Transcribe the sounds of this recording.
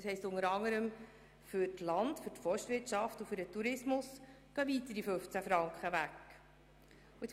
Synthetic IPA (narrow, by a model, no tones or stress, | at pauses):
shɛɪstʊŋəɾɑŋːəɾəm | fʏɾtlɑndfʏɾtfɔʃtʋɪɾtʃɑftufʏɾdətuɾɪsmʊs | ɡ̥œvit̪əɾifɵft͡sæfɾɑŋkχəʋækː | uɪt͡s